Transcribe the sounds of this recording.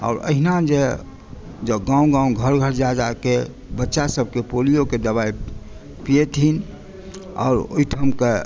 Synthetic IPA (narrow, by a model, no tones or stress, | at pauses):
ɔ̰ːɾə̰ɦinad͡ʒe | d͡ʒəɡãũɡãũɡʱəɾɡʱəɾd͡ʒad͡ʒake | bətːʃasəb̚ʱkepolijoked̪əβai | pijet̪in | ɔ̰ːɾo̰iʈʰəmke